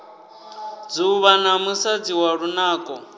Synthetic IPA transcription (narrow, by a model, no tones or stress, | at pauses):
d͡zuβanamusad͡ziwaɺunaːkʼɔ